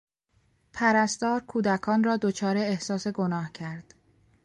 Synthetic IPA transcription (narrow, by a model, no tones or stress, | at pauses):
pʰæɾæst̪ɒːɾkʰuːd̪ækʰɒːnrɒːd̪ot͡ʃʰɒːɾe̞ehsɒːse̞ɡo̞nɒːhcʰæɾd̪̥